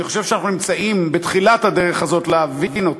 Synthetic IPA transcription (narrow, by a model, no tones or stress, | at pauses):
niχo̞ʃevʃeanaχnunimt͡saimbetχilathadeʁeχazo̞t̪leavivino̞t